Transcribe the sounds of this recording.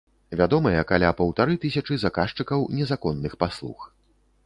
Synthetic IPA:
vʲad̪ɔmɐjɛkalʲapɐwt̪aɾɨt̪ɨsʲɐt͡ʂɨzakaʂt͡ʂɨkɐwnʲɛzakɔnːɨxpaslˠṵx

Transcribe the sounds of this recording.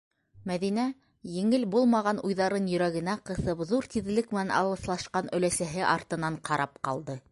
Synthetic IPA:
mæðinæ | jɘ̆ŋɘlbulˠmɑʁɑnʔujðɑɾɤnjɵ̆ɾæɣɘ̆næqɤ̆θɤpðuɾt̪iðlɘkmɘ̆nænɑ̰lˠɤ̆θlˠɑʃqɑnɵ̆læsæɦɘʔɑɾt̪ɤ̆nɑɴqʰɑɾʔɑp̚qɑ̰lˠd̪ɤ

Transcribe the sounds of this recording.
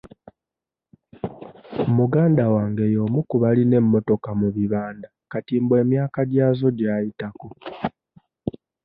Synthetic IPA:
omuɡaːndawaːŋɡe̞jo̞ːmukuβaline̞mːo̞to̞kamuβiβaːndakatiːmbwe̞ːmjaːkaɟaːzo̞ɟaːjitaku

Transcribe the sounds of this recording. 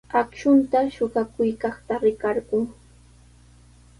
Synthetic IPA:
akʃʊnt̪aʃʊɢɑkʊjkɑχt̪aɾɪkɑɾɢʊŋ

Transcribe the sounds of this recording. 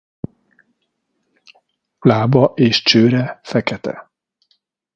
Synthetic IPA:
laːbɒʔeːʃt͡ʃøːɾɛfɛkɛt̪ʰɛ̰

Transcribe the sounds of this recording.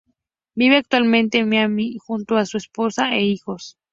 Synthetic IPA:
biβeak̚t̪walmẽnt̪emeamixunt̪oasuesposaeixos

